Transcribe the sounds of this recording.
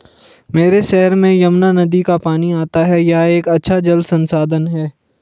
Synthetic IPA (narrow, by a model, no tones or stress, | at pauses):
meːɾeʃɛɦəɾmẽjɐmnanɐd̪ikapaːniaːt̪aɦɛjɐɦeːkɐtːʃʰad͡ʒɐld̪sɐ̃nsaːd̪ənɦɛː